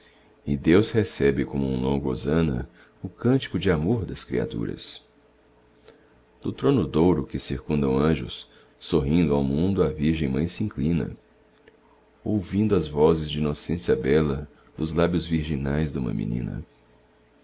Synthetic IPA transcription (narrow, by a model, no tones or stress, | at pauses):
ɪd̪ewshesɛbɪkõmʊũlõ̰ɡo̰zɐ̃nɐ̰ | ʊkɐ̃nt͡ʃi̥kʊd͡ʒɪamoɾd̪ɐskɾia̰t̪ṵɾɐ̰s | d̪̥ʊt̪ɾõnʊd̪owɾʊkɪsiɾkũnd̪ɐ̃w̃ɐ̃ʒʊsː | oɦĩnd̪ʊawmũnd̪ʊɐviɾʒẽj̃mɐ̃j̃sɪĩklĩnɐ̰ | owvĩnd̪ʊɐzvɔzɪzd͡ʒɪinosẽsiɐbɛlɐ | d̪ʊzlabjʊzviɾʒinajzd̪ũmɐ̰mḭ̃nḭ̃nɐ̰